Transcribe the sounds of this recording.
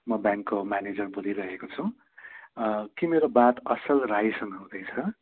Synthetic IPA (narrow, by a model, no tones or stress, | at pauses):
mʌbjãŋkːomaned͡zʌrbud̪iɾʌɦekot͡sʰũ | kimeɾobat̪ʌsʌlraɦjsʌŋʌũd̪ʌjt͡sʰʌ